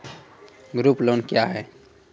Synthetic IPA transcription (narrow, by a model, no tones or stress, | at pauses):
ɡɾuploːnkjaɦɛ